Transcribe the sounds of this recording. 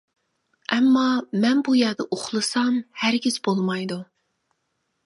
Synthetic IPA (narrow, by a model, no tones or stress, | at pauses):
ɛmːɑmɛnbujɛɾd̪ɨʔoχlˠɨsɑmhæɾɡʲiz̥bolˠmɑjd̪u